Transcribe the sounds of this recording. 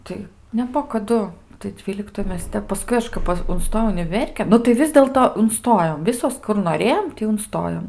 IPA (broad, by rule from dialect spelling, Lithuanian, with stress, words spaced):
ˈtɐɪ nʲɛˈbuɔ kɐˈdʊ tɐɪ ˈdʲʋʲiːlʲɪktoːj ˈmʲɛs ˈtʲɛp pɐˈskʊɪ ɐʃ ˈpɐ ʊnˈstoːjɛʊ ʊnʲɪˈʋʲɛrʲkʲeːn nʊ tɐɪ ˈʋʲɪs dʲeːlˠtoː ʊnˈstoːjoːm ˈʋʲɪsoːs kʊr noːˈrʲeːjoːm ˈtʲiː ʊnˈstoːjoːm